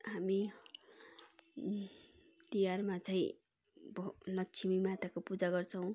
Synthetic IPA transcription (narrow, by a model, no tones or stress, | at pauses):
ɦami | t̪ijarmat͡sʌĩ | blʌkt͡sʰimimat̪akopud͡zaɡʌrt͡sʰʌw̃